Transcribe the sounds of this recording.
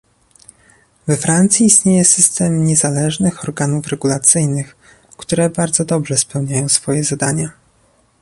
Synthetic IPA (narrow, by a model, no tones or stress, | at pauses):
vɛfɾant̪sʲjiːst̪ɲejɛsɘst̪ɛmɲɛzalɛʐnɘxɔɾɡanufɾɛɡulat̪sɘjnɘx | kt̪uɾɛbaɾd̪zɔd̪ɔbʐɛspɛwɲajɔ̃w̃sfɔjɛzad̪aɲa